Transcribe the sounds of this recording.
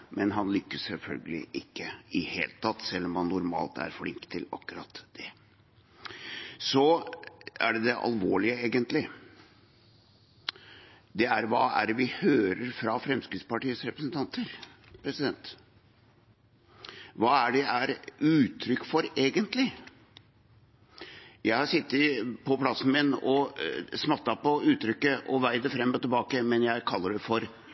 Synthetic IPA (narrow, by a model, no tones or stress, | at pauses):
mɛnɦɑnlʏkːəssɛlfœ̰lɡəlɪ̰ʔɪkːəɪhḛːlət̪ʰɑt̪ːsɛlːɔmhɑnːʊɾmɑ̰ːlt̪æ̰ɾflɪŋkt̪ʰːɪlɑ̰kːʉɾɑt̪d̪̥ɛ | sɔ | æ̰ɖɛd̪ɛʔɑ̰lʋoːɭɪəeːɡənt̪lɪ | d̪ɛæɾʋɑːæɾʋɪhøːɾəɾfɾɑfɾɛmskɾɪt̪spɑʈiːəsɾɛpɾəsənt̪ʰɑnt̪ʰəɾ | pʰɾɛsɪd̪ɛnt̪ | ʋɑːæɖɛʔæɾʉːt̪ʰɾʏkːfɔɾeːɡənt̪lɪ | jæɪhɑsɪt̪ːɪpʰɔpʰlɑsn̩mɪnɔsmɑt̪ːɑpɔʉːt̪ːɾʏkːəʔɔʋæɪd̪əfɾɛmːɔt̪ɪlbɑːkəmɛnjæɪkʰɑlːəɖɛfɔɾ